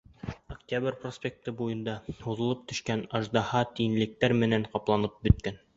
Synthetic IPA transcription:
oktʲabrʲprosʲpʲek̚t̪ɤbujɤ̆nd̪ɑhuðɤ̆lˠɤp̚t̪ɵ̆ʃkænɑʒd̪ɑhɑt̪iɘ̆nlɘ̆k̚t̪æɾmɘ̆næɴqɑplˠɑnɤp̚bɵ̆t̪̚kæn

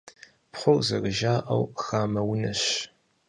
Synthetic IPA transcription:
pχʷʊwzɐ̰rɨʒaːʔɐ̰wxaːmɐwʊnɐɕ

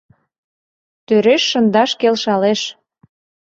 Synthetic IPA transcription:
t̪øɾeʃːə̆nd̪ɑʃkelʃɑleʃ

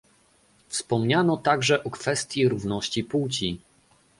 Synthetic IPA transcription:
fspɔmɲanɔt̪aɡʐɛʔɔkfɛst̪ʲjiɾuvnɔɕt͡ɕipuwt͡ɕi

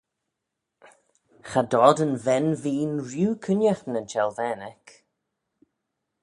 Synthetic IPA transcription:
xadɔdənvɛnviːnɹjuːkʰənjaxnənt͡ʃɛlˠvɛːnɛk

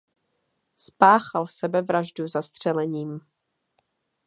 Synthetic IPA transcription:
spaːxalsɛbɛvɾaʒduzast̪r̝̥ɛlɛɲiːm

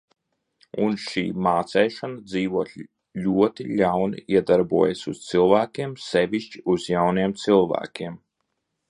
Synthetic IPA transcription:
unʃḭːmaːt̪sɛjʃanad̪ziːvuɔːt̪ | lʲuɔt̪iʎʲawnḭiɛd̪aɾbuɔjasust̪sɨlˠvæːkʲiɛmsɛvʲiʃt͡ʃiuzjawniɛmt̪sɨlˠvæ̰ːkʲiɛm

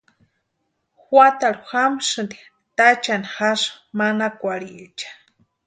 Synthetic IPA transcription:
xwat̪aɾuxamʃɨnd̪i | t̪at͡ʃanixaʂ | manakʷaɽit͡ʃḁ

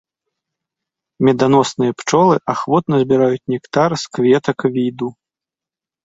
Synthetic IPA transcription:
mʲɛd̪anɔsnɨjɐpt͡ʂɔlˠɨʔaxvɔt̪nɐzʲbʲiɾajut͡sʲnʲɛkt̪aɾskvʲɛt̪ɐkvʲid̪u

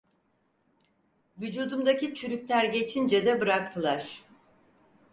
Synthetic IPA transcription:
vyd͡ʒuːd̪umd̪acit͡ʃʰyɾycʲlʲæɾɟe̞t͡ʃʰind͡ʒɛd̪ɛbɯɾak̚t̪ʰɯlˠaɾ̥

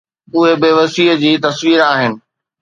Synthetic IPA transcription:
ʊɦebɪʋɐsiːɦəd͡ʑiːt̪ɐsʋiːɾaːɦɪnɪ̆

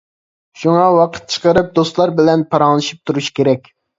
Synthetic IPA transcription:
ʃuŋɑwɑqʰə̥t̪̚t͡ʃʰə̥qəɾɨp̚d̪ost̪lˠɑɾbɪlɛnpʰɑɾɑŋlˠɨʃi̥p̚t̪ʰuɾuʃkʲeɾɛkʲ

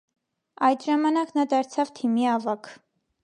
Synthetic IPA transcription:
ɑjd̪ʒɑmɑnɑknɑd̪ɑɾt͡sʰɑvt̪ʰimiɑvɑkʰ

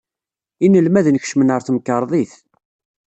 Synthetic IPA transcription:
inːəlmæðənəçʃmənəɾˤθməkːəɾˤðˤiθ

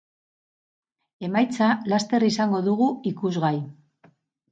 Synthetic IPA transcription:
e̞majt͡salast̪e̞risaŋɡo̞ðuɣuikuzɣaj

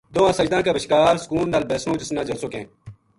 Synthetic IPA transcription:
d̪oːãːsəd͡ʒd̪ãːkaːbəʃkaːɾskuːlnaːlbeːsnõːd͡ʒɪsnãːd͡ʒɐsoːkḛ̃ː

